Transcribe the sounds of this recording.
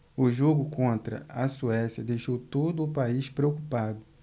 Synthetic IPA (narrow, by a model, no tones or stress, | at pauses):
ʊʒoɡʊkõnt̪ɾɐ̰ɐsuɛsjɐd̪ejʃowt̪od̪ʊːpaiʃpɾeokupad̪ʊ